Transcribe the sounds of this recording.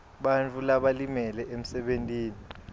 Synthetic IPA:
ɓant͡fʰʼulaɓalimɛlɛʔem̩sɛɓentʼiːni

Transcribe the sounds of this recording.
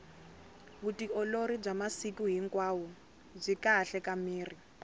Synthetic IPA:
βutiɔloɾib͡ʐamasikuɦiŋkwaːwu | b͡ʐʷikaɬɛkamiːri

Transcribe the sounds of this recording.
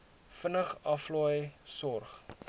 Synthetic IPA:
fənəχɐflɔjsɔrχ

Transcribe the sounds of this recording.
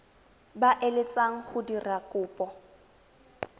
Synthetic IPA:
baʔelɪt͡sʼaŋ̩χʊdirakʼʊːpʼɔ

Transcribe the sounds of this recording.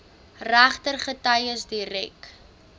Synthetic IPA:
ræχtərχətɐjəsdiɾɛ̰k

